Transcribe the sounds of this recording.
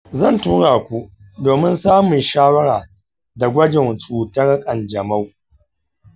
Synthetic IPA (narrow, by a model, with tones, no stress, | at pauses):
zɐ˦˨ntuː˦ɽaː˨kʷu˦ | doː˨mɪ˦nsaː˦mʊ˨nʃaː˦wɐ˦ɽaː˨ | da˨ɡʷɐ˦d͡ʒɪ˨nsʼuː˨tɐ˦ɽkʼɐ˨nd͡ʒɐ˨ma˦w